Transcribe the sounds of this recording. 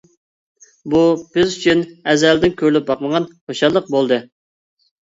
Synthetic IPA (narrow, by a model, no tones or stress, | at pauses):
bub̥ɪzyt͡ʃʰynɛzɛld̪ɪnkʲʰøɾlyp̚bɑqməʁɑnχoʃɑlˠːəq̚bolˠd̪ɨ